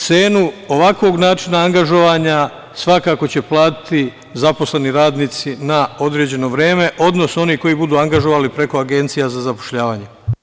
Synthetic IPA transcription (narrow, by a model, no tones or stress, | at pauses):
t̪se̞ːnuo̞ʋakʋo̞ɡnaːt͡ʃinaaŋɡaʒo̞ʋaːɲa | sʋakako̞t͡ɕe̞plˠaːt̪i̥t̪i | zapo̞sle̞niɾaːd̪niːt̪sinao̞d̪ɾed͡ʑe̞no̞ʋɾeːme̞ʔo̞d̪no̞so̞niko̞jibud̪uːaŋɡaʒo̞ʋaːlipɾe̞ko̞aɡe̞nt̪sijazazapo̥ʃʎaːʋaːɲe